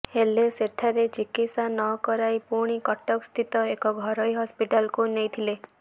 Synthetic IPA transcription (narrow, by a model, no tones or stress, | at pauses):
heleseʈʰaɾet͡ʃikisanɔkɔɾajpuɾɽ̃ikɔʈɔkst̪ʰit̪ɔekɔɡʱɔɾɔjɦɔspiʈalkunejt̪ʰile